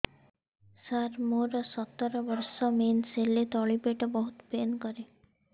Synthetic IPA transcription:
saɾmoɾɔsɔt̪ːɔɾɔbɔɾsɔmenselet̪ɔɭipeʈɔbɔɦut̪penkɔɾe

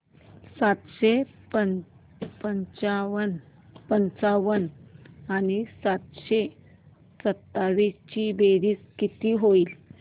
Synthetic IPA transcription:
sat̪ɕe | pə | pənt͡ɕaən | pənt͡saʋənanisat̪ɕe | sət̪ːaʋist͡ɕibeɾiːskit̪iɦoiːl

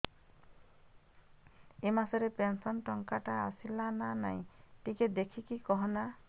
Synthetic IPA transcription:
emasɔɾepensɔnʈɔŋkaʈa̰ːsilananaḭ̃ʈiked̪ekʰikikɔɦɔna

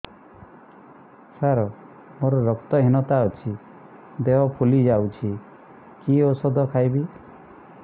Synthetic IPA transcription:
saɾɔ | moɾɔɾɔkt̪ɔɦinɔt̪aɔt͡ʃʰi | d̪eɦɔpʰulid͡ʒawt͡ʃʰi | kiosɔd̪ʱɔkʰajbi

